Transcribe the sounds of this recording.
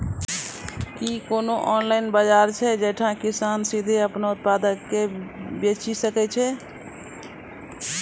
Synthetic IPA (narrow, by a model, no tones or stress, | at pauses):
kikoːnoʔɔnlaɪnbəd͡ʒaɾt͡ʃʰɛd͡ʒəʈʰãkisaːnsid̪ʱeəpnaʊt̪̚pad̪əkːebet͡ʃisəkɛt͡ʃʰɛ